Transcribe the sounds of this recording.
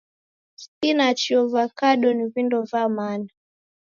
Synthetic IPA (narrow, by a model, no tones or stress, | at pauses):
skinat͡ʃiɔvakaɗɔnivindɔvamana